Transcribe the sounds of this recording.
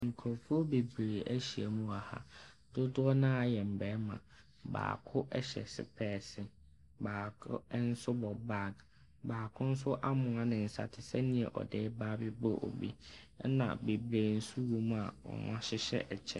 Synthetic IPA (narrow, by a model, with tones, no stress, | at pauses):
ŋ̩˨kʰɔ˨fu˦o˦be˨bɾeː˨æ˦ɕi˨æ˨mũ˦a˨ha̰˦ | d̥ʊ˦dʊ˦ɔ˦nã˦a˨jɛ˨m̩˨bɛː˨˦mã̰˨ | ba̰ː˨kʰʊ˦ʔɛ˦ɕɛ̰˨sɪ̰˨pʰɛː˦˨sɪ˦ | baː˨kʰʊ̰˦n̩˦sʊ˦bɔ˨ba˦˨ɡ | baː˨kʰʊ̃˦n̩˦s̬ʊ˦ʔa˦mʊ̃˨a˨nɪ̃˨n̩˨sa̰˨tʰɪ˨sɛ˦nĩ˨˦ɛ˨ʔɔ̰˨dɛː˦baː˦bɪ˦bɔ˦ʔɔ̰˨bḭ˦ | nã̰˨be˨bɾeː˨n̩˦su˦wo˨m̃˦a˨wɔ̰˨mã̰˦ɕɪ˦ɕɛ̰˦ʔɛ˨t͡ɕʰɛ˦